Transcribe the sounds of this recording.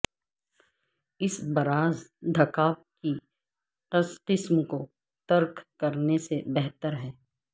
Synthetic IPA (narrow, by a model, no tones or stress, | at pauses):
ɪsbɐɾaːzd̪ʱɐkaːʋ | ki | qəsqɪsmko | t̪ɐɾkʰkɐɾnesebɛɦt̪əɾɦɛː